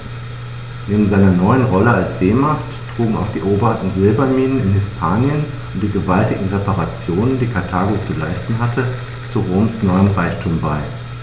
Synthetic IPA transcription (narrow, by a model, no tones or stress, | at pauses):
neːbm̩zaɪnɐnɔʏənʁɔləalsz̥eːmaχttʁ̥uːɡ̩a̰ʊxd̥iːʔoːbɐtn̩zɪlbɐmiːnənɪnhɪspʰaːnjən | ʊntd̥iːɡəvaltɪɡŋ̩ʁepaʁat͡sjoːnəndiːkʰaɐtʰaːɡot͡sulaɪstn̩ɦatʰə | t͡suʁoːmsnɔʏəmʁaɪçtʰuːmbaɪ